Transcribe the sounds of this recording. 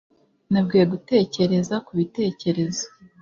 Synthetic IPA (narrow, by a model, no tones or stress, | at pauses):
nab̚ɡijeɡute̞ːce̞ɾe̞zakuβite̞ːce̞ɾe̞zo̥